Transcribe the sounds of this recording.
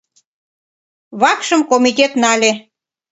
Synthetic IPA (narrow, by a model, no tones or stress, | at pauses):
βɑkʃəmkomit̪ʲet̪nɑlʲe